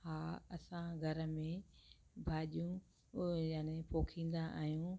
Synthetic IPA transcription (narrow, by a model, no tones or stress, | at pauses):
haːɐsãɡʱɐɾə̆mẽbʱaːɗijũ | jaːnepoːkʰĩːn̆d̪aʔa̰ːɦjũː